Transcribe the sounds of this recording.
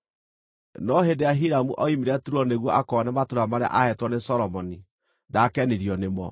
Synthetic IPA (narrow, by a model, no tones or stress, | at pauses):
nɔɦedeaɦiɾamuʔɔimeɾɛtuɾɔneɣwɔʔakɔnɛmatoɾamaɾea̰ʔahɛtwɔnesɔɾɔmɔni | dakɛneɾiɔnemɔ̰